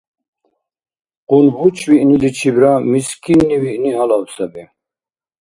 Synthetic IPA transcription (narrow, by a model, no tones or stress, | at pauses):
qʼunbut͡ʃʰviʔnilit͡ʃʰibɾamiskʰinːiviʔniɦalawsabi